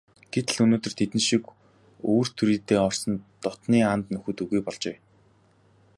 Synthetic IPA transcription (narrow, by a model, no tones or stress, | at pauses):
ɡ̥et̪ɘ̆ɮɵnoːt̪ɵ̆r̥t̪ʰet̪ɘ̆nʃik | oːr̥t̪ʰuɾiːt̪eːɔr̥sɞ̆nt̪ɔt̪niːant̪nɵxɵ̆t̪ɵɣujpɔɮt͡ɕeː